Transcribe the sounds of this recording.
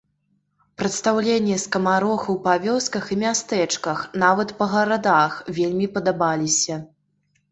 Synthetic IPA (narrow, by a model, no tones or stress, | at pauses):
pɾɐt̪st̪awlʲenʲːɛskɐmaɾɔxɐwpavʲɔskɐximʲast̪ɛt͡ʂkɐxnavɐt̪pɐɣɐɾad̪axvʲelʲmʲipɐd̪abalʲisʲɐ